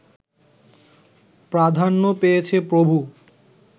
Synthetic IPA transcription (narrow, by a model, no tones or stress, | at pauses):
pɾad̪ʱanːopejet͡ɕʰepɾobʱu